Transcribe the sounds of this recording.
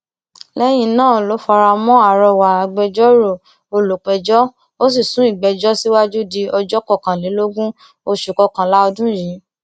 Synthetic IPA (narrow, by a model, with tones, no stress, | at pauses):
lɛ˦j̃ĩ˧˨nãː˦˨lo˨˦fa˧ɾa˧mɔ̃˦a˦˨ɾɔ˧wa˨a˧˨ɡ͡bɛ˧d͡ʒɔ˦ɾo˦˨ | o˧lo˨k͡pɛ˨d͡ʒɔ˦ | o˦s̬i˦˨sũ˨˦i˦˨ɡ͡bɛ˨d͡ʒɔ˦si˦wa˦d͡ʒu˦di˧ɔ˧d͡ʒɔ˦kɔ˦˨kã˨li˨˦lo˦ɡũ˦ | o˧ʃu˨kɔ˧kã˨la˦ɔ˧dũ˦jĩ˨˦